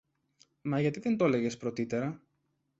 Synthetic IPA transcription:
mɐʝɐt̪iðe̞nt̪o̞le̞ʝe̞spɾo̞t̪it̪e̞ɾɐ

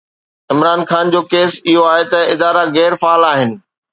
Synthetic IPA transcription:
ɪmɾaːnxaːnd͡ʑoːkeːsɪɦoaːɦet̪ɐɪd̪aːɾaɣɛːɾfaːlaːɦɪnɪ̆

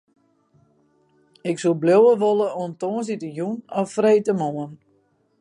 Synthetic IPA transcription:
ɪksulˠblowəʋoləontoːəns̬itəjunɔffreːtəmoən

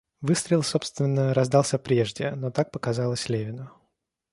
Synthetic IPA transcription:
vɨst̪ɾʲɪlˠso̞pst̪vʲɪnːəɾɐzd̪ɑlˠsʲəpɾʲe̞ʐdʲɪnot̪ak̚pəkɐzɑlˠəsʲlʲevʲɪnʊ

